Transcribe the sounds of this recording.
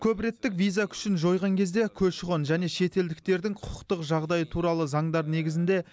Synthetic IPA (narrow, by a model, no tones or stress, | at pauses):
kʲʰɵbɾe̞t̪ːɪkvijzakʲʰʏ̥ʃɪnʒo̞jʁɑŋkʲʰe̞zd̪e̞kʲʰɵʃəʁənʒæne̞ʃe̞t̪e̞ld̪ɪk̚t̪e̞ɾd̪ɪŋqʰʊəqt̪əqʒɑʁd̪ɑjət̪ʰuɾɑlˠəzɑɴd̪ɑɾne̞ɡʲɪzɪnd̪e̞